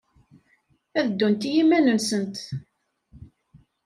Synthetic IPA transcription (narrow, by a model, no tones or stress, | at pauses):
æðəd̪ːunt̪jimːænənsənt̪